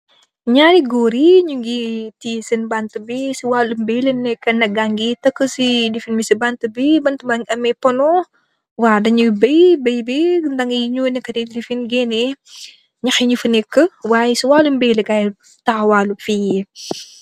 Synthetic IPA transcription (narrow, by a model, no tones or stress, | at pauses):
ɲaɾiɡoɾiɲuŋɡitisənbant̪əbisiwalumbɛlenɛkːɐnɐɡaŋɡitɐkːəsidifinmisəbant̪əbibant̪umaŋʔɐmɛpɔnɔ | wadɐɲubəjbəjbent̪aŋiɲunekɐtidifinɡɛne | ɲɐxiɲufənɛkːəwajsiwalumbeleɡaj | t̪awalufijə